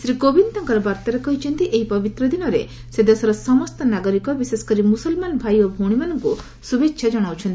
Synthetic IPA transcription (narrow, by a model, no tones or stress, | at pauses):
sɾikobint̪ɔŋkɔɾɔbaɾt̪ɔɾekɔɦit͡ʃʰɔnt̪iʔeɦipɔbit̪ɾɔd̪inɔɾe | sed̪esɔɾɔsɔmɔst̪ɔnaɡɔɾikɔbisesɔ̥kɔɾimusɔlmanbʱajobʱoɽ̃imanɔŋku | subetːʃʰad͡ʒɔɽ̃awt͡ʃʰɔnt̪i